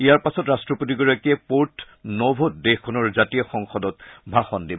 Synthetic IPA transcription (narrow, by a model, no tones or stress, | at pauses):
ijaɹpasɔtɹastɹɔpotiɡɔɹakiɛpoɹt | nɔbʱot̚dexkʰɔnɔɹzatijɔxɔŋxɔdɔt̚bʱaxɔndib